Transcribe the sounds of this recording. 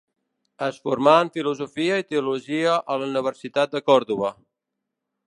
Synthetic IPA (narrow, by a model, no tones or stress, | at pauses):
əsfuɾmaəɱfiluzufiəit̪eəuluʒiəʔəluniβ̞əɾsit̪at̪̚d̪əkɔɾðuβ̞ə